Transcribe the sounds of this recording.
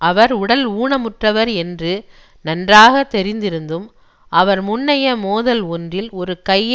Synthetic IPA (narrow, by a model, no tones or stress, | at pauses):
ɐʋɐɾʊɽɐluːɳɐmʊʈrɐʋɐɾɛndrɯ | nɐndraːɣɐt̪ːɛɾɪnd̪ɪɾɯnd̪ɯm | ʔɐʋɐɾmʊnːɐjɐmoːðɐlɔndrɪlɔɾɯkɐjː